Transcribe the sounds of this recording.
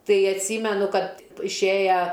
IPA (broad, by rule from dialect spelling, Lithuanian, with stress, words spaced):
ˈtɐɪ ɐtʲˈsʲiːmʲɛnʊ ˈkɐt ɪʃʲˈeːjɛ